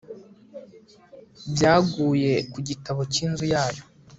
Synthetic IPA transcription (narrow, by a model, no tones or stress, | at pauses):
bjaːɡuːje̞kuɟitaβo̞ciːnzujaːjo̞